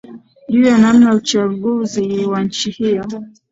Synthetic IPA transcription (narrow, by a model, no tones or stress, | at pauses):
ʄujanam̩naut͡ʃaɠuziwaɲ̩t͡ʃihijɔ